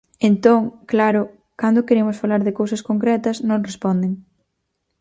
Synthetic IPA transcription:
ent̪oŋklaɾʊ | kand̪ʊkeɾemʊsfalaɾðɪkowsɐskoŋkɾɛt̪ɐsnõŋrespɔnd̪eŋ

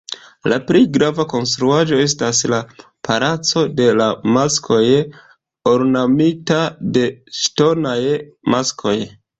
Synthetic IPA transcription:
laplejɡɾavako̞ns̬tɾuaʒo̞e̞s̬tasla | pʰalat͡so̞de̞lamaskʰo̞j | oɾnamitade̞ʃto̞naj | maskʰo̞j

